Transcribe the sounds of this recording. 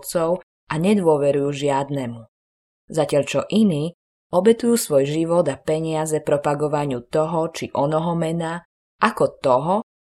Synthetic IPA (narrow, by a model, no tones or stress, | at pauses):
t͡sɔʊ | ʔaɲɛd̪ʋʊɔʋɛɾujuːʒɪad̪nɛmu | zacɪaʎt͡ʃɔʔiniː | ɔbɛt̪ujuːsʋɔjʒiʋɔd̪apɛɲɪazɛpɾɔpaɡɔʋaɲɪut̪ɔɦɔt͡ʃiʔɔnɔɦɔmɛna | ʔakɔt̪ɔɦɔ